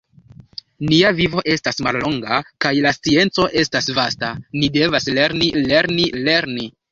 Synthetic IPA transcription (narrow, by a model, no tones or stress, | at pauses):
niavivo̞ʔe̞stasmalːo̞ŋɡakajlast͡sie̞nt͡so̞ʔe̞stasvastanide̞vasle̞ɾnile̞ɾnile̞ɾni